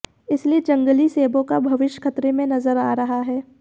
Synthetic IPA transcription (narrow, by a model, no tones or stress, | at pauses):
ɪslied͡ʒɐ̃ŋɡəliseːbõkabʱɐʋɪʃjkʰɐt̪ɾemẽnɐzəɾaːɾɐɦaɦɛː